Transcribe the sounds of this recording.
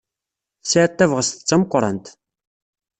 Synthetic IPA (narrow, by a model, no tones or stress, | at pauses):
θsæːt̪ːævʁəst̪ə̥t͡sːɑmqʷːɾˤənt̪